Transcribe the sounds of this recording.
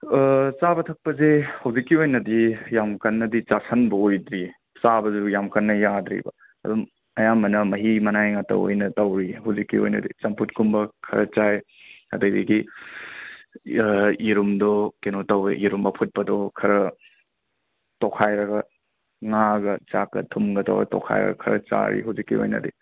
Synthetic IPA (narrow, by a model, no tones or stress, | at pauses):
t͡ʃabɐtʰɐk̚pɐzehɐwzikːiojnɐdijamkɐnːɐdit͡ʃasʰɐnbɐojdɾi | sabɐzujamkɐnːɐjadɾḭbɐ̰ | ɐ̰dum | ɐjamɐnɐmɐɦimɐnajŋatɐ̰o̰jnɐtɐwɾihɐwzikːḭo̰jnɐ̰dḭt͡ʃɐmputkumbɐkʰɐ̰ɾɐt͡ʃaj | ɐdɐjdiɡi | iɾumdɔkenotɐwɾḛʔiɾumbɐpʰut̚pɐdɔkʰɐɾɐ | tokʰajɾɐɡɐ | ŋaɡɐt͡ʃakːɐ̰tʰumɡɐtɐ̰wɾɐtɔ̰kʰa̰jɾɐ̰ɡɐ̰kʰɐɾɐ̰t͡ʃa̰ɾḭɦawzikːḭo̰jnɐ̰dḭ